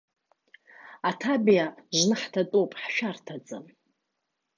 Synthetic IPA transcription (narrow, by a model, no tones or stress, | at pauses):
atʰabjaʒnɨħtʰatʼopʼħʃᶣartʰad͡zʼɨm